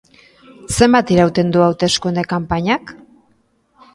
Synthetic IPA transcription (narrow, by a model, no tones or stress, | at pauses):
se̞mbat̪iɾawt̪e̞nd̪uawt̪e̞skund̪ekampaɲak